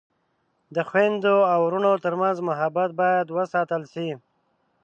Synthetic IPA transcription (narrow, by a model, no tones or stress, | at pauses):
d̪əxwend̪oawɾunot̪əɾmanzmʊɦabat̪̚bɑjad̪wəsɑt̪əlʃi